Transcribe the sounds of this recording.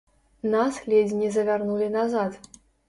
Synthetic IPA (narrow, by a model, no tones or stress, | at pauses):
naslʲed͡zʲnʲizɐvʲarnulʲinazat̪